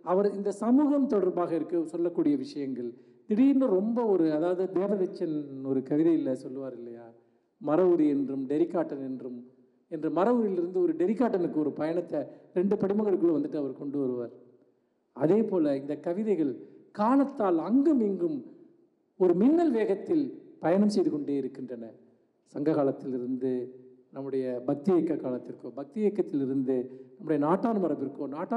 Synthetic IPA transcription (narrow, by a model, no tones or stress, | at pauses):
ɐʋɐɾɪnd̪ɐsɐmuːɣɐmt̪ɔɽɐɾbaːɣɐɪɾɯkːɯsɔlːɐkːuːɽɪjɐʋɪʂɐjɐŋɡɐɭ | t̪ɪɽɪjɪndɐɾɔmbɐɔɾɯɐðaːʋɐðɯd̪eːʋɐʋɛt͡ʃːɐnɔɾɯkɐʋɪðɐɪjɪlːɐsɔlːɯʋaːɾɪlːɐjaː | mɐɾɐʋɯɾiɛndrɯmɖɛɾɪkːaːʈːɐnɛndrɯm | ɛndrɐmɐɾɐʋɯɾɪlɪɾɯnd̪ɯɔɾɯɖɛɾɪkːaːʈːɐnɯkːɯɔɾɯpɐjɐɳɐt̪ːɐɾɛɳɖɯpɐɽɪmɐŋɡɐɭɯkːɯɭːɐʋɐnd̪ɯʈːɯɐʋɐɾkɔɳɖɯʋɐɾɯʋa̰ːɾ | ɐðeːpoːlɐɪnd̪ɐkːɐʋɪðɐɪɣɐɭkaːlɐt̪ːaːlɐŋɡɐmiːŋɡɯm | ɔɾɯmɪnːɐlʋeːɣɐt̪ːɪlpɐjɐɳɐmsɛjðɯkɔɳɖeːɪɾɯkːɪndrɐnɐ | sɐŋɡɐɣaːlɐt̪ːɪlɪɾɯnd̪ɯ | nɐmːɯɽɐjɐbɐk̚t̪ɪjɛkːɐkːaːlɐt̪ːɪɾkoːbɐk̚t̪ɪjɛːkːɐt̪ːɪlɪɾɯnd̪ɯnɐmːɯɽɐjɐnaːʈːaːnɯmɐɾɐpɪɾɯkːonaːʈːa